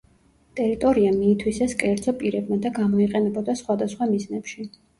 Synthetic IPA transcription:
t̪ʼɛɾit̪ʼɔɾiamiːt̪ʰwisaskʼɛɾd̪zɔpʼiɾɛbmad̪aɡamɔiqʼɛnɛbɔd̪asχwad̪asχwamiznɛpʃi

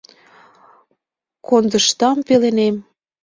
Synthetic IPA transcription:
kond̪ə̆ʃt̪ɑmpelenem

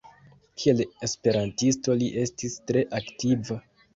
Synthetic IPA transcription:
kʰie̞le̞spe̞ɾantisto̞liʔe̞stistɾe̞ʔaktiva

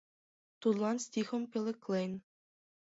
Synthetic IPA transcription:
t̪ut̪lˠɑnsʲt̪ʲixə̆mkʲelʲˠɘ̆klejn

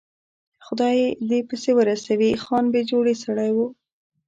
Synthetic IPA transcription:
xʊd̪ɑjd̪epəsewəɾasawixɑnbed͡ʒoɽesaɽajwu

